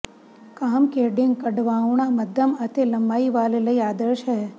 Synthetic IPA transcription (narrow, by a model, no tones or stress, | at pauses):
kaːmkeːɖiŋkɐɖʋaːwɳamɐd̪ʱɐmɐt̪elɐmbaːiʋaːlelɐiaːd̪əɾʃɦɛ